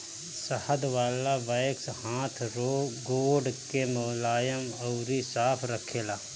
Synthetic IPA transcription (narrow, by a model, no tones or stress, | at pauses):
səhəd̪ʋaːlaʋajkshãːt̪ʰɾoːɡoːɖkemoːlaːjəmɐʊɾisaːpʰɾəkʰeːlaː